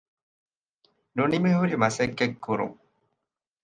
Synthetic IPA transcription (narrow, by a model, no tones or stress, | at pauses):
nunimeɦuɾimɐsɐkːekːuɾṵŋ